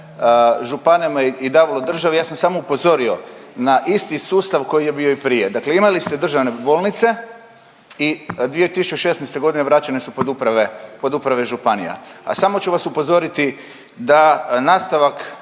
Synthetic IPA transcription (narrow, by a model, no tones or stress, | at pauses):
ʒupanamaiid̪aːʋalˠod̪r̩ʒaʋijaːsamsaːmo̞upo̞zo̞ɾio̞̰naʔist̪isuːst̪aʋko̞jije̞bio̞ipɾije̞d̪akleimalist̪e̞d̪r̩ʒaʋne̞bo̞ːlnit̪se̞ | id̪ʋijet̪isu̥t͡ʃeʃe̞snaɛjst̪e̞ɡo̞d̪ineʋɾat͡ɕanesupod̪upɾaʋepo̞d̪upɾaʋe̞ʒupanḭja̰a̰samo̞t͡ʃuʋasupo̞zo̞ɾit̪i | d̪anaːst̪aʋak